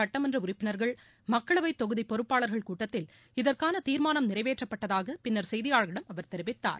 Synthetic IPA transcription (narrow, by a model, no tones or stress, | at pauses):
ɐʈːɐmɐndrɐʊrɪpːɪnɐɾɣɐɭ | mɐkːɐɭɐʋɐɪt̪ːɔɣɯðipːɔɾɯpːaːɭɐɾɣɐɭkuːʈːɐt̪ːɪl | ɪðɐrkaːnɐt̪iːɾmaːnɐmnɪrɐɪʋeːʈrɐpːɐʈːɐðaːɣɐpɪnːɐɾsɛjðɪjaːɻɣɪɽɐmɐʋɐɾt̪ɛɾɪʋɪt̪ːa̰ːɾ